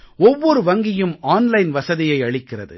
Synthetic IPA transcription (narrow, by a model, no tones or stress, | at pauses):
ɔʋːɔɾɯʋɐŋɡɪjɯmaːnlɐɪnʋɐsɐðɪjɐɪɐɭɪkːɪrɐðɯ̰